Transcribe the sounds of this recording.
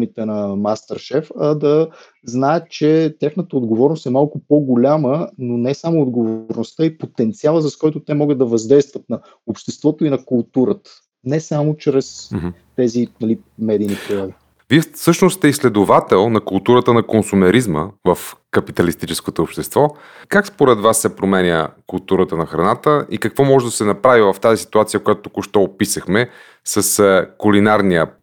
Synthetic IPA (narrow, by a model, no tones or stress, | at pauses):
mit̪ɛnɐmast̪əɾʃɛfɐd̪ɐ | znaɛt̪t͡ʃɛt̪ʲaxnət̪əod̪ɡovɔɾnost̪ɛmalˠkʊpoɡolʲamənonɛsamoːd̪ɡovoɾnost̪aipot̪ɛnt̪sialˠəzɐskɔjt̪ʊt̪ɛmɔɡəd̪ɐvɐzd̪ɛjst̪vət̪̚nɐ | opʃt̪ɛst̪vɔt̪oinɐkʊlˠt̪uɾət̪ə̥ | nɛsamot͡ʃɾɛst̪ɛzinɐli | mɛd̪iːnipɾiɾɔd̪i | viɛsɤʃnost̪t̪ɛislɛd̪ovat̪ɛlˠnɐkʊlˠt̪uɾət̪ənɐkonsumɛɾizmə̰vəfkɐpit̪ɐlist̪it͡ʃɛskot̪oːpʃt̪ɛst̪vɔ | kakspoɾɛd̪vasːɛpɾomɛnʲə̰kʊlˠt̪uɾət̪ənɐxɾɐnat̪əʔikɐkvɔmɔʒɛd̪ɐsɛnɐpɾavivɐft̪azisi̥t̪uat̪sijəkojat̪ot̪ːokoʃt̪ɔopisəxmɛ | səskulinaɾnijə